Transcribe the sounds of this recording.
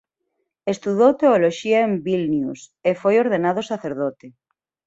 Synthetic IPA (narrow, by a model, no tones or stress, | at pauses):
est̪uðowt̪eoloʃiaembilnjusefojoɾðenaðosaθeɾðot̪e